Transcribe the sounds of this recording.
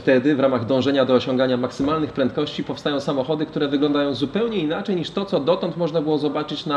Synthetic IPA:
ft̪ɛd̪ɘvɾamaɣd̪ɔ̃w̃ʐɛɲad̪ɔːɕɔ̃ŋɡaɲamaksɘmalnɘxpɾɛnt̪̚kɔɕt͡ɕipɔfst̪ajɔ̃w̃samɔxɔd̪ɘk̚t̪uɾɛvɘɡlɔ̃nd̪ajɔ̃w̃zupɛwɲɛinat͡ʂɛjɲiʂt̪ɔt̪sɔd̪ɔt̪ɔnt̪mɔʐnabɘwɔzɔbat͡ʂɘt͡ɕna

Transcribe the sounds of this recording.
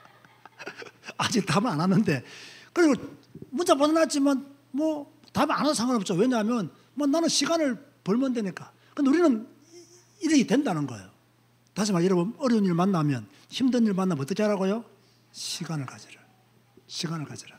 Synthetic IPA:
ad͡ʑik̚tabananːɯnde̞kɯɾiɡomunt͡ɕapadʌnad͡ʑiman | mwʌ | tama̰nasʰaŋanp̚t͡ɕoweɲaɦmjʌn | mʌnanɯnɕʰiɡanɯɭ | pʌɭmʌndwe̞ɲik͈a | kɯnde̞uɾinɯn | iɾɯɡitwe̞ndanɯnɡʌ̰ejo | taɕ̬ʰimajʌɾʌbɯnʌɾuniɭmanːamjʌn | çimdɯɲiɭmanːabʌt͈ʌkʰeaɾaɡojo | ɕʰiɡanɯɭkad͡ʑiɾɯ | ɕʰiɡanɯɭkad͡ʑiɾa

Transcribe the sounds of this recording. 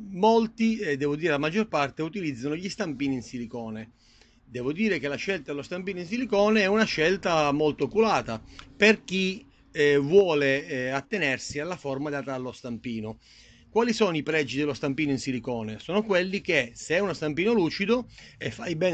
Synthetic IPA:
molt̪id̪ɛːvod̪iːɾelamad͡ʒːorpart̪eut̪ilid̪zːanoʎist̪ampiːninsilikɔːne | d̪ɛːvod̪iːɾek̟elaʃːɛlt̪ad̪elost̪ampiːnoins̬ilikɔːneɛunaʃɛlt̪amolt̪okulaːt̪aperk̟i | vwɔːleat̪ːenersialːaformad̪at̪alːost̪ampiːno | kwaːlisoːnoipɾɛd͡ʒːid̪elost̪ampiːnoinsilikɔːnesɔːnokwelːik̟eseɛunost̪ampiːnoluːt͡ʃid̪oefːajbɛː

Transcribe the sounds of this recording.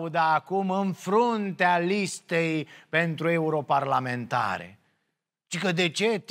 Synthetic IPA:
ud̪aːkumɨnfɾunt̪ealist̪e̞jpe̞nt̪ɾue̞uɾo̞parlame̞nt̪a̰ɾḛ | ʃikəd̪e̞t͡ʃe̞t̪

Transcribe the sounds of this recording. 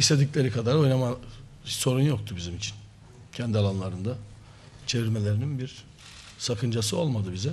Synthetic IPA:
iʃt̪ʰʲe̞d̪iclʲe̞ɾikʰad̪aɾo̞jnama | so̞ɾunjo̞k̚t̪ʰubizimit͡ʃʰin | cʰɛnd̪ialˠanlˠaɾɯnd̪a | t͡ʃʰe̞viɾmelʲe̞ɾininbiɾ | sakʰɯnd͡ʒasɯo̞lˠmad̪ɯbizɛ

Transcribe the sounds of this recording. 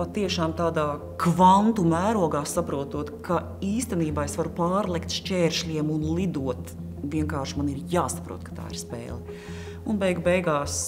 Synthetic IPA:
pat̪iɛʃaːmt̪aːd̪aː | kvant̪umæːɾuɔɡaːsapɾuɔt̪uɔt̪kʰa | iːst̪ɛniːbaːesʋaɾupaːɾlˠɛkt̪ʃt͡ʃʲɛːɾʃlʲiɛmunlˠid̪uɔt̪ | ʋiɛŋkaːɾʃmaniɾjaːsḁpɾṵɔt̪̚kḁt̪a̰ːḭɾspɛ̰ːlˠɛ | unbɛjɡbɛjɡaːs

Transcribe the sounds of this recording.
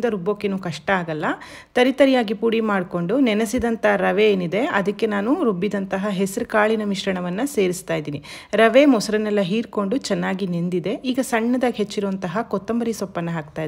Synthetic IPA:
nd̪ɐɾubːoːkːenuːkɐʂʈɐaːɡɐlːɐ | t̪ɐɾit̪ɐɾijaːɡipuːɽimaːɖko̞ɳɖunɛnɐsid̪ɐnt̪ɐɦɐɾɐʋeeːnid̪e̞ɐd̪ɐkːe̞naːnuɾubːid̪ɐnt̪ɐɦɐɦesɐɾukaːɭinɐmiʃɾɐɳɐʋɐnːɐse̞ːɾist̪aːjd̪iːni | ɾɐʋemɔsɐɾɐnɛlːɐɦiːɾko̞ɳɖut͡ʃɛnːaːɡinend̪id̪e̞iːɡɐsɐɳːɐd̪aːiɦet͡ʃːiɾuʋɐnt̪ɐɦɐkɔt̪ːɐmbɐɾisɔpːɐnːɐɦaːk̚t̪aːjd̪

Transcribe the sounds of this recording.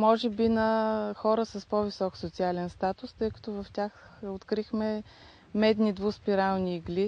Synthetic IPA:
mɔʒɛbinɐxɔɾəsɐspɔvisɔksot̪sialɛnst̪at̪ʊst̪ɤjkɐ̥t̪ɔvɐft̪ʲaxot̪kɾixmɛ | mɛd̪nid̪vuspiɾalˠniːɡli

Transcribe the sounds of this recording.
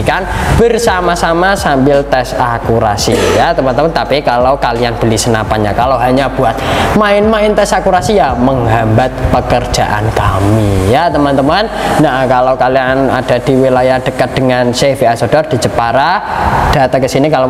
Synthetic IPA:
kanb̥ərsamasamasambɪlt̪ɛsakuɾa̰sijat̪əmant̪əmant̪apikalawkalianb̥əlisənapanɲa̰kalawɦaɲab̥uat̪̚maɪnmaɪnt̪ɛsakuɾasijaməŋɦambat̪̚pəkərd̥d͡ʒ̥a̰ʔa̰nkamijat̪əmant̪əmannakalakaliana̰d̥a̤d̥iwilajahd̥əkat̪̚d̥əŋansefiasod̥ɔrd̥i̤t͡ʃəpaɾad̥a̤t̪akəsinikala

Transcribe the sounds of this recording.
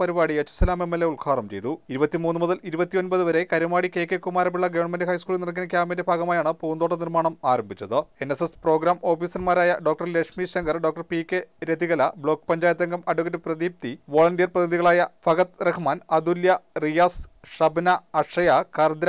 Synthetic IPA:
pɐɾibaːɽiet͡ɕːu̥sɐlaːme̞mːelːeuɭkʰaːrɐmt͡ɕe̞̰jt̪uiɾubɐt̪ːimuːnːɨmuðɐliɾubɐt̪ːijo̞nbɐðɨʋɐɾe̞kɐɾumaːɽike̞ːkːekumaːɾɐpiɭːɐɡɐʋɐɳmendɨɦɐjskuːlinirɐk̬ːinɐk̬ʲːjaːmende̞bʱaːɣɐmaːjaːɳɨpuːnd̪oʈːɐnirmaːɳɐmaːɾɐmbʱit͡ɕːɐðɨe̞nesespro̞ːɡɾaːmo̞ːfiːsɐnmaːɾaːjɐ̰ɖoːk̚ʈɐrlekʂmiːɕɐŋɡɐrɖoːkʈɐrpiːkʲːeɾed̪ʱiɣɐlɐbɭo̞ːkːpɐɲd͡ʑaːjɐt̪ːɐŋɡɐmɐɖuɣɐɾɨprɐðiːp̚t̪iʋoːɭɐnɖijɐrprɐd̪ʰʱɐðiɣɐɭaːjɐfʰɐɣɐt̪rɐkʰmaːnɐd̪uljɐrijaːsʂɐbnɐɐʂɐjɐkɐrd̪ɾ

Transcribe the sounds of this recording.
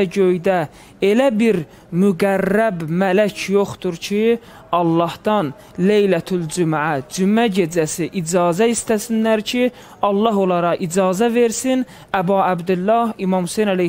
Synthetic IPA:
ɟøjd̪æ | elæbiɾ | myɡærːæbmælæcʰjoχt̪uɾcʰi | ɑlˠːɑhd̪̥ɑn | le̞jlæt̪ʰuld͡ʒumʕæd͡ʒymæɟe̞d͡ʒæsiʔid͡ʒɑːzæist̪æsinlæɾcʰi | ɑlˠːɑɦo̞lˠɑɾɑʔid͡ʒɑːzæve̞ɾsin | æbɑːæbd̪ulːɑhimɑmhusejnæle

